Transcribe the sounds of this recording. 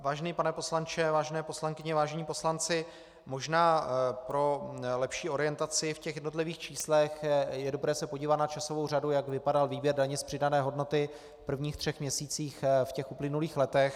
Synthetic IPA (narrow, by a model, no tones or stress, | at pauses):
vaːʒɛniːpanɛpo̞slant͡ʃɛvaːʒɛnɛːpo̞slaŋkɪɲɛvaːʒɛɲiːpo̞slant͡sɪ | mo̞ʒnaːpɾo̞lɛpʃiːʔo̞ɾɪjɛnt̪at͡sɪfcɛxjɛdno̞t̪lɪviːxt͡ʃiːslɛxjɛdo̞bɾɛːsɛpoɟiːvat̪nat͡ʃaso̞vo̞wr̝adujaɡvɪpadalviːbjɛɾdaɲɛspr̥ɪdanɛːɦo̞dno̞t̪ɪ | pr̩vɲiːxt̪r̥ɛxmɲɛsiːt͡siːxfcɛxʔuplɪnuliːxlɛt̪ɛx